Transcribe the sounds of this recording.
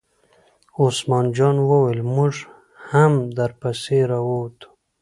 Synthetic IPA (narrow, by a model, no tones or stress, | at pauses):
osmɑːnd͡ʒɑnwəwelmuʐ | hamd̪aɾpaseɾawot̪ʰu̥